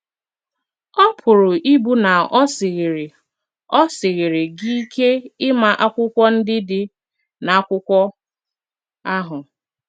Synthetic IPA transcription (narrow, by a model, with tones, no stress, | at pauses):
ɔ˦pʰʊ˨ɾʊ˨ʔi˦bu˦na˨˦sɪ˨ɣɪ˨ɾɪ˨ | ɔ˦sɪ˨ɣɪ˨ɾɪ˨ɡi˦i˦kʰe˦ɪ˦ma˦ʔa˦kʷʊ˦kʷɔ˦n̩˦dɪ˦dɪ˦ | na˨a˦kʷʊ˦kʷɔ˦ | a˦ɦʊ˨